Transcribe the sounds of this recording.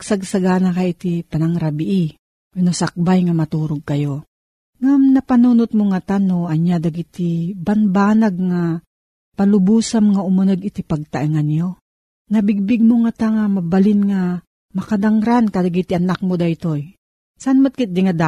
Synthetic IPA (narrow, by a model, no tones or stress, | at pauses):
saɡ̚saɡanakajɪt̪ipanaŋɾabɪʔi | nosak̚bajŋamɐt̪uːɾoɡ̚kɐjo | ŋamnɐpɐnunʊt̪̚moŋat̪anoɐɲjad̪aɡit̪ibanbaːnaɡ̚ŋa | palʊbuːsamŋaʔʊmanoɡɪt̪ipɐɡ̚t̪aʔiŋanjo | nɐbɪɡ̚bɪɡ̚moŋat̪aŋamɐbalɪnŋa | mɐkad̪aŋɾankad̪aɡit̪ɪʔɐnak̚mod̪aɪt̪oj | sanmat̪̚kɪt̪̚d̪ɪŋad̪a